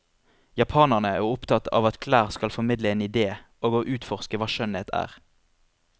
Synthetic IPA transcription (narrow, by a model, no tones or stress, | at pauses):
jɑpʰɑːnəʁnəæːʁʊpt̪ʰɑt̪ɑ̰ːʋɑt̪kʰlæːʁskɑlfɔmɪd̪ləeːnɪd̪eːʔoːɡoːʔʉːt̪fɔʁskəʋɑːʃœneːt̪ʰæ̰ːʁ